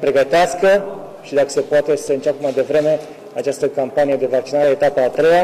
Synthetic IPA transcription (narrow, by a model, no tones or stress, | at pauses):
pɾeɡət̪easkə | ʃid̪akə̥se̞poat̪e̞səɨnt͡ʃepemajd̪e̞vɾe̞me̞ | at͡ʃast̪əkampanije̞d̪e̞vak̚t͡ʃinaɾeet̪apəːt̪ɾe̞ja